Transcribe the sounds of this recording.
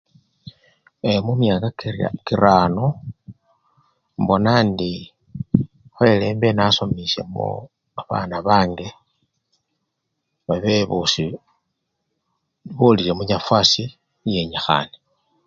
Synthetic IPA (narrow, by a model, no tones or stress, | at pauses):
emumjakakira̰kiɾaːno | mbo̞nandi | xwe̞leːmbenasomise̞̰mṵ | aβa̰ːnaβaːŋɡe̞ | βaβeβusi | βulilemuɲafwasi | jeɲexa̰ne̥